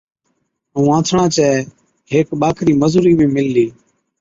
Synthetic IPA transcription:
ɦũːãːt̪ʰɳãːt͡ʃɛː | ɦeːkɓaːkʰɾiːməzuːɾiːmẽːmɪlːiː

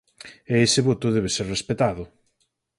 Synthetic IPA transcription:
eesɪβot̪ʊðɛβ̞eseɾrespet̪að̞ʊ

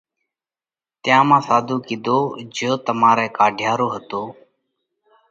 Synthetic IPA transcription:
t̪ɪjãːmãːsaːd̪ʱuːkid̪ʱoːd͡ʒjoːt̪əmaːɾɛːkaːɖʱjaːɾoːɦət̪oː

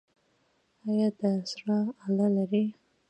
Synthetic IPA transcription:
ajɑd̪asɾɑalalaɾi

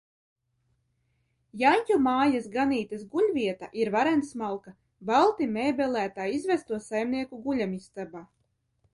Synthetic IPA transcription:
jaɲʲcʲumaːjasɡaniːt̪ɐsɡuʎʲvʲiɛt̪aʔiɾvaɾɛnsmalˠka | balˠt̪imɛːbɛlˠæːt̪aːizvæst̪uɔsajmniɛkuɡuʎʲamist̪abaː

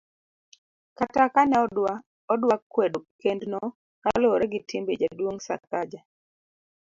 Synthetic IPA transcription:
katakanɛ | ɔdwakːwedkendnɔ | kaloɾɛɡɪtʰimbḛd͡ʒadwoŋsa̰k̚ad͡ʒa

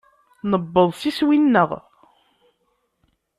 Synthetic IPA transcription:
nəbːəðˤsiswinːəʁ

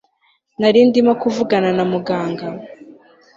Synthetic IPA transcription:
naɾiːndimakuvuɡananamuɡaːŋɡa

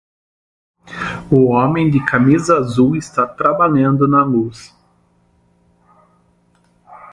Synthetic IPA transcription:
ʊɔ̃mẽj̃d̪ɪkamizɐːzuwɪst̪at̪ɾabaʎɐ̃nd̪ʊnɐlus

